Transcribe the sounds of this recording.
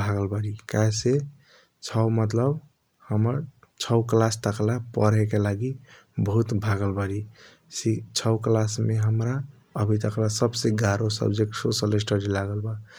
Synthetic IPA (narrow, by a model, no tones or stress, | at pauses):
bʱaɡəlbəɽikase | t͡ʃʰəwmət̪ləb | həməɾ | t͡ʃʰəʊklast̪əklapə̰ɾɦɛkelaɡi | bəɦut̪bʱaɡəlbəɾi | sit͡ʃʰəwklasmeɦəmɾa | əbʱit̪əklasəbseɡaɾosə̰bd͡ʒeksosəles̬ʈəɽilaɡəlba